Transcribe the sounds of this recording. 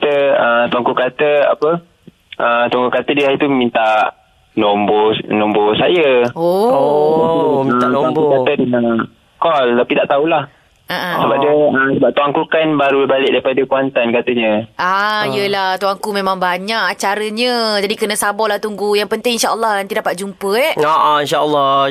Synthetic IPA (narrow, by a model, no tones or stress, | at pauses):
at̪əət̪uaŋkukat̪əa̰pə | ʔət̪aŋɡukat̪ədəait̪ummĩnt̪a | nombonɔmbosajəo | ət̪aŋukat̪ədəŋa | kɔlt̪apidaʔt̪aulah | aʔasəbap̚diəəsəbap̚t̪uaŋkukanbaɾuəbalɪʔ̚daipadəkuant̪ankat̪əɲə̃ʔaiəlaht̪uaŋkumemãŋbaɲaʔat͡ʃaɾəɲəd͡ʒadikənəsabɔlaht̪uŋɡujaŋpənt̪ɪŋinʃaʔəlːɔhnt̪idapat̪̚d͡ʒumpəɛaʔinʃaəlːɔ